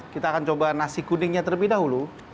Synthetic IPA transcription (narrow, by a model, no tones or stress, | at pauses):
kit̪aːkant͡ʃobanasiɡ̥unɪŋɲat̪ərləbidaɦulu